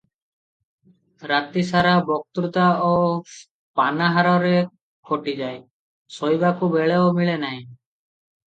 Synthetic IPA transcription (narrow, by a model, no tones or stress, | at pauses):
ɾat̪isaɾabɔk̚t̪ɾut̪ao | panaɦaɾɔɾe | kʰoʈid͡ʒae | sojbakubeɭeomiɭenaj̃